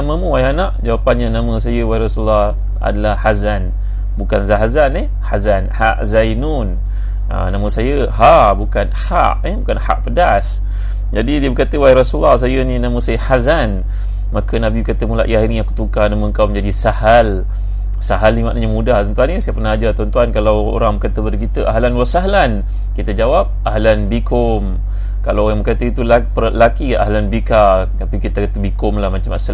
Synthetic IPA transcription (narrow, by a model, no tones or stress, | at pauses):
naməmũwajɛɦanãʔd͡ʒawapanɲanãmə̃sajəwajiɾɔsulːɑh | a̰dalahhazan | bukanzaɦazane | hazanhaʔzajnun | ə̰namə̃sajə | ɦaʔbukanha̰ʔebukanha̰ʔpədas | d͡ʒadidiəbəɾkat̪əwaiɾɔsulahs̬ajəninãmə̃sajəhazan | makənãbibəkat̪əmula̰ʔjaɦiniakut̪ukanamə̃əŋkawməɲd͡ʒadisahal | saɦalnimaʔnəɲamudaht̪ɔnt̪uanɲasajəpərnaad͡ʒat̪ɔnt̪uankalawo̰ɾaŋbəkat̪əbəɾəkit̪əʔa̰ɦlanwasaɦlan | kit̪əd͡ʒawap̚ʔaɦlanbikʊm | kalawjaŋbəkat̪əit̪ulapəlakia̰ɦlanbika | t̪apikit̪akat̪əbikʊmlahmãt͡ʃama̰sal